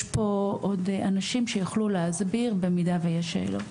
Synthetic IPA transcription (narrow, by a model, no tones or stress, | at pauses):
jʃpo̞ʔodanaʃimʃejuχluleazbiʁbemidavejaʃḛlo̰